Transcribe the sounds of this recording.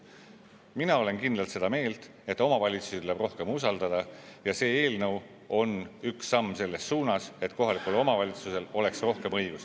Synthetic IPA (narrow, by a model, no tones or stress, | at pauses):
minɑo̞le̞nkind̪lɑlt̪se̞d̪ɑme̞ːlt̪ | e̞t̪ːˑo̞mɑvɑlʲit̪su̥sit̪uleb̥ro̞hke̞musɑld̪ɑd̪̥ɑjɑse̞ːe̞ːlnɤw | o̞nyksːɑmːse̞lːe̞sːuːnɑse̞t̪ko̞ɦɑlikːˑulo̞mɑvɑlʲit̪suse̞lo̞le̞ksro̞hke̞mɤjɡ̥us